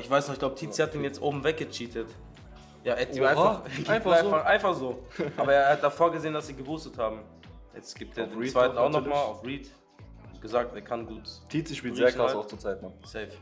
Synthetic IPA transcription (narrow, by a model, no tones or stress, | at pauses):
ʔɪçv̥aɪsnɔχɪçɡ̥laʊbətʰiːt͡sihat̚d̥iːnjɛt͡stʔoːbm̩vɛk̚ɡ̥ət͡ʃiːtʰət | jaːʔːmaɪnfaʔaɪnfaχz̥oːʔaːbɐeːɐːhat̚d̥afoːɐɡəzeːəndasz̥iːɡəvuːstəthaːbm̩ | jɛt͡stɡ̥iːp̚teːɐdenːt͡svaɪtn̩aʊxnɔχmaːlaʊfʁiːt | ɡ̥əzaːk̚teːɐkʰanɡuːttʰiːt͡siʃpiːzeːɐkʁaaʊst͡suɐt͡saɪtnɔsɛːf